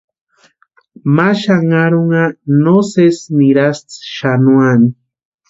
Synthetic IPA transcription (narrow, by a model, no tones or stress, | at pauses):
maʃaŋaɾoŋanosesniɾast͡sʃanuani